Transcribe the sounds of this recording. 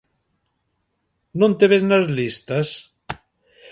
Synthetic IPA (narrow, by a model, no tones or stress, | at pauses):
nõnt̪eβeznazlist̪as